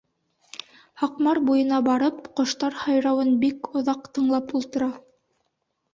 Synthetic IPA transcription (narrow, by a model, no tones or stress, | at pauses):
hɑqmɑɾbujɤ̆nɑbɑɾɤp̚qŏʃt̪ɑɾhɑjɾɑwɤnbikŏðɑqt̪ɤ̆ɴlˠɑpulˠt̪ɤ̆ɾɑ